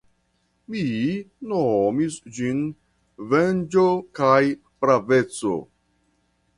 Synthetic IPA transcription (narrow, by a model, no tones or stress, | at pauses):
minomisd͡ʒin | vend͡ʒokaj | pɾave̞t͡so̰